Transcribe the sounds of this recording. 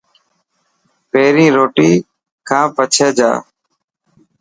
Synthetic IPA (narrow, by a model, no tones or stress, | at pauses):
peːɾĩːɾoːʈiː | kʰãːpət͡ʃʰeːd͡ʒa̰ː